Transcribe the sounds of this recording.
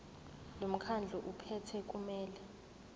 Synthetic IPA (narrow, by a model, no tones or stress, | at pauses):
lom̩kʰand͡ɮʱuʔupʰɛtʰɛk̬ʼumɛːlɛ